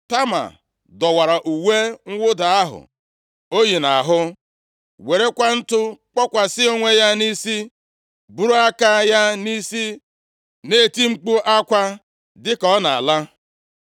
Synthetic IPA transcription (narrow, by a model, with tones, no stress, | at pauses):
ta˦ma̰˨ | dɔ˨wa˨ɾa˨ʔu˨we˦ŋ̩˦wʊ˦da˨a˦ɦʊ̰˨ | o˦ji˨na˨ɦʊ˦ | we˨ɾe˦kʷa˦n̩˦tʊ˦k͡pɔ˦kʷa˨sɪ˦o˦ŋʷe˦ja˦ni˦si˦ | bu˨ɾu˦a˦ka˦ja˦ni˦si˦ | ne˦˨ti˦ŋ͡m̩˦k͡pu˦ʔa˦kʷa˦ | dɪ˦kɔ˦na̰˨a̰˨la˦